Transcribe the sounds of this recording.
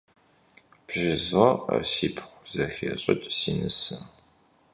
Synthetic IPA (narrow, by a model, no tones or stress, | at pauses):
b̥ʒɪzʁɐ̰siːpʰχʷz̥ɐxeɕʼɐt͡ʃʼsinɨsɨm